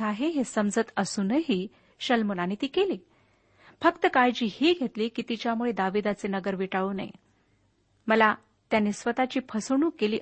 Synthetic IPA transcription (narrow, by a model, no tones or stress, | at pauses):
aɦeɦesəmd͡zət̪əsuːnəɦiː | ɕəlmonañit̪iːkeliː | fəkt̪əkajd͡ʑiːhiːɡʱet̪liːkit̪it͡ɕjamuɭed̪aʋid̪at͡senəɡəɾʋiʈaʋuːna̰j̰ | məla | t̪janːisʋət̪at͡ɕiːpʰəsɳ̃uːkeliː